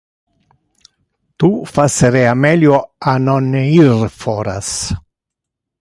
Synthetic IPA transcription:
t̪ufaseɾeamɛljoanonirfɔɾa̰s

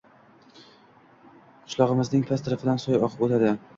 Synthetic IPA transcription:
qʰʊ̥ʃlˠɒʁɨmɪznɪŋpʲʰast̪ʰɪɾɪfɪd̪ansɒjɒqʰɨ̥pot̪ʰad̪ɪ

